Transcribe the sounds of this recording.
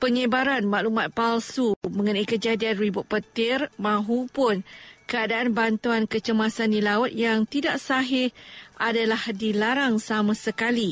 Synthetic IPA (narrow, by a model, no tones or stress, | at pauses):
pəɲə̃baɾanmaʔlumãt̪̚palsumə̃ŋənaikəd͡ʒadianribʊt̪̚pət̪ɪrmãɦupʊnkəadaanbant̪uankət͡ʃəmasandilaʊt̪̚jaŋt̪idaʔsaɦɪʔadalahdilaɾaŋsamãsəkali